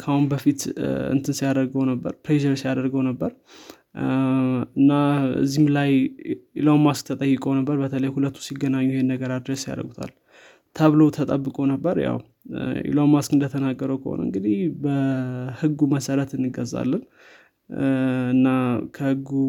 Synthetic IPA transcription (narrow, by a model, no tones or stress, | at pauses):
kʰahunbəfit̪ɨ̰nt̪ʰɨnsijad̪əɾɡəwnəbːə̰ɾpɾeʒɛɾsijad̪əɾɡəwnəbːəɾ | ɨnːaɨ̰zːihmlajʔḭlomask̚t̪ʰət̪ʼəjːɨkʼonəbːəɾbət̪ʰələjhulət̪ʰːu̥siɡːənaɲːujihenːəɡəɾad̪ɾəsja̰d̪ə̰ɡut̪ʰa̰l | t̪ʰəβlowt̪ʰət̪ʼəbːɨkʼo̞nəbːəɾja̰w | ḭlomaskɨnd̪ət̪ʰənaɡːəɾəwkʰə̰ho̰nə̰ɨŋɡɨd̪ihbəhɨɡːuməsəɾət̪ɨnːɨɡəza̰lːən | ɨnːakʰəhɨɡːu